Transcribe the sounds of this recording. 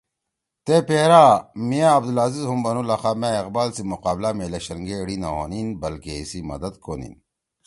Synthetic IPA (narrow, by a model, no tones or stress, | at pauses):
t̪epeːɾamijaɐbd̪ulaːzizɦumbɐnulɐxaːmeeqbaːlsimuqaːblameːlɐɕɐɾŋɡeɽina̰o̰ːninbɐlkeisimɐ̰d̪ɐd̪kʰoːnḭn